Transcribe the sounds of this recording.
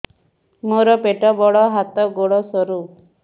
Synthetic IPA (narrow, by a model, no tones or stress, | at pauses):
moɾɔpeʈɔbɔɽɔɦat̪ɔɡoɽɔsɔɾu